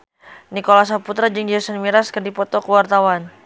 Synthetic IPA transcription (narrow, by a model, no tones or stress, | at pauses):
nikolas̬aput̪ɾad͡ʒɨŋd͡ʒasənmiɾaskərdipɔt̪ɔkəwart̪awan